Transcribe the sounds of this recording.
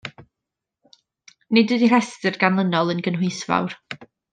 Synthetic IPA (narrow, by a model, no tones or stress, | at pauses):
nɪdwədir̥ɛstərɡanlˠənɔlˠənɡənhwɪjsva̰wr